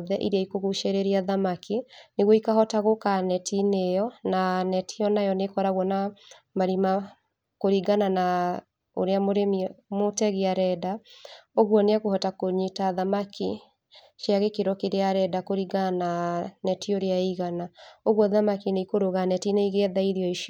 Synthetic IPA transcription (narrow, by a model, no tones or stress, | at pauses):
ðɛʔiɾeaikoɣuʃeɾeɾeaðamakineɣwɔikahɔtaɣokanɛtʰinejɔnanɛtʰijɔnajɔnekɔɾaɣwɔna | maɾima | koɾiɡanana | o̰ɾeamoɾemimotɛɣeaɾɛdaoɣwɔneakohɔtakoɲitaðamakʰi | ʃjaɣekeɾɔkeɾeaɾɛdakoɾiɡaananɛtioɾeaiɣanaoɣwɔðamakineikoɾoɣanɛtineiɣeɛðaiðiɔiʃ